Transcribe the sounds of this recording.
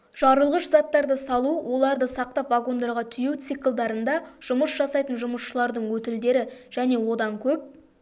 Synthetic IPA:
ʒ̥ɑɾəlˠʁəʃzɑt̪ːɑɾd̪əsɑlˠuwo̞lˠɑɾd̪əsɑq̚t̪ɑpvaɡo̞nd̪ɑɾʁɑt̪ʰʏjuwt̪sɨjkəlˠd̪ɑɾənd̪ɑʒ̥ʊməsʒɑsɑjt̪ənʒʊməsʃəlˠɑɾd̪əɴwɵt̪ɪld̪e̞ɾɪʒ̥æne̞wo̞d̪ɑŋkʲʰɵp̚

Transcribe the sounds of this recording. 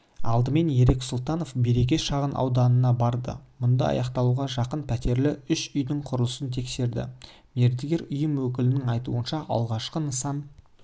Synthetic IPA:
ɑlˠd̪əme̞nje̞ɾe̞ksʊlˠt̪ɑno̞fbeɾe̞kʲe̞ʃɑʁənʔɑ̰wd̪ɑnənɑbɑɾd̪ə̰mʊnd̪ɑɑ̰jɑqt̪ɑlˠuʁɑʒɑqənpʰæt̪e̞ɾlɪʏʃʏjd̪ɪŋqʰʊɾəlˠəsənt̪ʰe̞kse̞ɾd̪ɪ̰ | me̞ɾd̪ɪɡʲe̞ɾʏjəmwɵk̬ʲɪlɪnɪŋɑjt̪uənʃɑʔɑ̰lˠʁɑʃqənəsɑm

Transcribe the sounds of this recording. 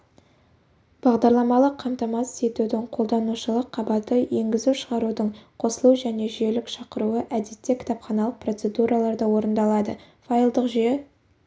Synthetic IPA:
b̥ɑʁd̪ɑɾlˠɑmɑlˠəqʰːɑmt̪ɑmɑse̞t̪ud̪ɪŋqʰo̞lˠd̪ɑnuʃəlˠəqʰːɑbɑt̪əje̞ŋɡʲɪzuʃəʁɑɾud̪əɴqʰo̞səlˠuwʒæne̞ʒʏje̞lɪkʃɑqəɾuəʔæd̪e̞t̪ːe̞kʲʰɪ̥t̪ɑpχɑnɑlˠəq̚pro̞t̪se̞d̪uɾʔɑlˠɑɾd̪ɑwo̞ɾənd̪ɑlˠɑd̪ə | fajlˠd̪əqʒyje

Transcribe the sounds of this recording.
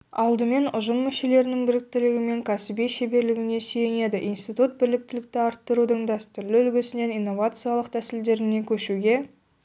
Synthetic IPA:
ɑlˠd̪əme̞nʊʒəmːʏʃe̞le̞ɾɪnɪŋbɪɾɪk̚t̪ɪɾɪɡʲɪme̞ŋkʰɑsɪbejʃebe̞ɾlɪɡʲɪne̞sijene̞d̪ɪʔinst̪ijt̪ut̪̚bɪɾlɪk̚t̪ɪlɪk̚t̪ɪɑɾt̪ːəɾud̪əɴd̪ɑst̪ʊɾlɪʏlɡʲɪsɪne̞nijnːo̞vat̪sɨjalˠəqt̪ʰæsɪld̪e̞ɾɪne̞kʲʰɵʃuɡʲe̞

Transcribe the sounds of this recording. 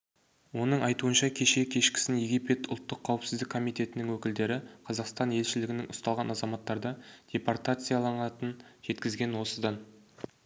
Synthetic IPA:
wo̞nəɴɑjt̪uənʃɑkʲʰe̞ʃe̞kʲʰe̞ʃkʲɪ̥sɪnje̞ɡʲipe̞t̪ʰʊ̰lˠt̪ːəqʰːɑwəpsɪzd̪ɪkʰːo̞mijt̪ʲe̞t̪ɪnɪŋwɵkʲɪld̪e̞ɾɪqʰɑzɑqst̪ɑnje̞lʃɪlɪɡʲɪnɪŋʔʊst̪ɑlˠʁɑnɑzɑmɑt̪ːɑɾd̪ɑd̪̥ʲe̞part̪at̪sɨjɑlˠɑɴɑt̪ənʒ̥e̞t̪kʲɪzɡʲe̞nwo̞səd̪ɑn

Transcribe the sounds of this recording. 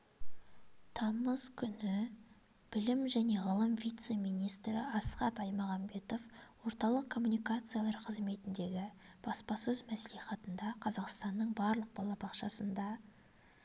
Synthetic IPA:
t̪ʰɑməz̥kʲʰʏnɪ | b̥ɪlɪmʒæne̞ʁəlˠəmvijt̪se̞mijnijst̪ɾɪɑsχɑt̪ɑjmɑʁɑmbe̞t̪o̞fwo̞ɾt̪ɑlˠəq̚kʰo̞mːunijkat̪sɨjalˠɑɾqʰəzme̞t̪ɪnd̪e̞ɡʲɪb̥ɑspɑsɵzmæsliχɑt̪ənd̪ɑqʰɑzɑqst̪ɑnːəɴbɑɾlˠəq̚bɑlˠɑbɑqʃɑsənd̪ɑ

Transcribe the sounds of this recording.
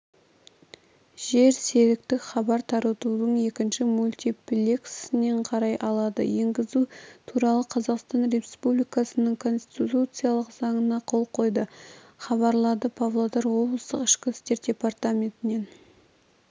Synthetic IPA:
ʒ̥e̞ɾse̞ɾɪk̚t̪ɪχɑbɑɾt̪ʰɑɾət̪ud̪əɴe̞kʲɪnʃɪmulʲt̪ʲiplʲeksɪne̞ɴqʰɑɾɑjʔɑlˠɑd̪ə̰je̞ŋɡʲɪzut̪ʰuɾɑlˠəqʰɑzɑqst̪ɑnɾe̞spublijkɑsənəɴkʰo̞nst̪t̪ʲtit̪ut̪sɨjalˠəqzɑɴənɑqʰo̞lˠqʰo̞jd̪ə | χɑβɑɾlˠɑd̪əpʰavlˠod̪ɑɾwo̞blˠəst̪əqɪʃkʲɪst̪e̞ɾd̪ʲe̞part̪amʲe̞nt̪ɪne̞n

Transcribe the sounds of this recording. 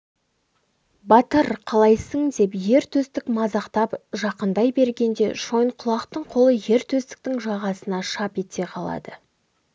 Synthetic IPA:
bɑt̪əɾqʰɑlˠɑjsəŋd̪e̞pje̞ɾt̪ʰɵst̪ɪkmɑzɑqt̪ɑpʒɑqənd̪ɑjbe̞ɾɡʲe̞nd̪e̞ʃo̞jɴqʰʊlˠɑqt̪əɴqʰo̞lˠəje̞ɾt̪ʰɵst̪ɪ̥k̚t̪ɪŋʒɑʁɑsənɑʃɑpe̞t̪e̞qʰɑlˠɑ̰d̪ə

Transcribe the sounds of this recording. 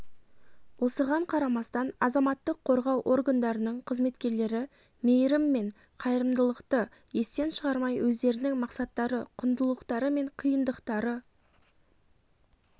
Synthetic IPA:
wo̞səʁɑɴqʰɑɾɑmɑst̪ɑnɑzɑmɑt̪ːəqʰːo̞ɾʁɑwʔo̞ɾɡand̪ɑɾənəɴqʰəzme̞t̪kʲe̞ɾle̞ɾɪ | mejɾɪmːe̞ɴ | qʰɑjɾəmd̪əlˠəqt̪ə | je̞st̪enʃəʁɑɾmɑjwɵzd̪e̞ɾɪnɪŋmɑqsɑt̪ːɑɾəqʰʊnd̪əlˠəqt̪ɑɾəme̞ɴqʰəjənd̪əqt̪ɑɾə

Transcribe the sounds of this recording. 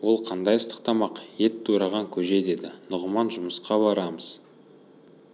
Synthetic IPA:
wo̞lˠqʰɑnd̪ɑjəst̪ə̥q̚t̪ɑmɑqje̞t̪ʰːuɾɑʁɑŋkʲʰɵʒe̞d̪e̞d̪ɪnʊʁəmɑnʒʊməsqɑbɑɾɑməz̥

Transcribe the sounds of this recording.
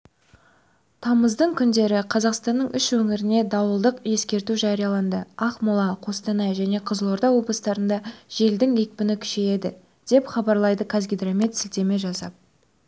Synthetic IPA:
t̪ʰɑməzd̪əɴkʲʰʏnd̪e̞ɾɪqʰɑzɑqst̪ɑnːəɴʏʃwɵŋɪɾɪne̞d̪ɑwəlˠd̪əqje̞skʲe̞ɾt̪uʒɑɾijɑlˠɑnd̪əɑχmʊlˠɑqʰo̞st̪ɑnɑjʒæne̞qʰəzəlˠo̞ɾd̪ɑwo̞blˠəst̪ɑɾənd̪ɑʒ̥e̞ld̪ɪŋek̚pɪnɪkʲʰʏ̥ʃe̞je̞d̪ɪ | d̪̥e̞pχɑbɑɾlˠɑjd̪əkʰazɡʲid̪rame̞t̪sɪlt̪e̞me̞ʒɑsɑ̰p̚

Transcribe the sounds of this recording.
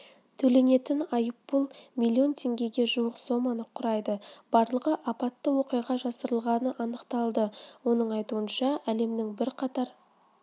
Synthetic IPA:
t̪ʰɵle̞ne̞t̪ɪnɑjəpːʊlˠmilʲːio̞nt̪ʲʰe̞ŋɡʲe̞ɡʲe̞ʒuwəqso̞mɑnəqʰːʊɾɑjd̪əb̥ɑɾlˠəʁəʔɑpɑt̪ːəwo̞qijʁɑʒɑsəɾəlˠʁɑnəʔɑnəqt̪ɑlˠd̪əwo̞nəɴɑjt̪uənʃɑæle̞md̪ɪŋbɪɾqʰɑt̪ɑɾ

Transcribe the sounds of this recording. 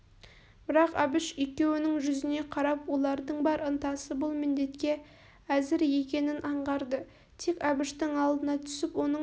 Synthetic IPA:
b̥ɪɾɑqɑbɪʃijkʲe̞wɪnɪŋʒʏzɪne̞qʰɑɾɑpwo̞lˠɑɾd̪əɴbɑɾənt̪ɑsəbʊlˠmɪnd̪e̞t̪kʲe̞ | æzɪɾje̞kʲe̞nɪnʔɑɴʁɑɾd̪ə | t̪ʰe̞kʲɑbɪʃt̪ɪŋɑlˠd̪ənɑt̪ʰʏ̥sɪpwo̞nə

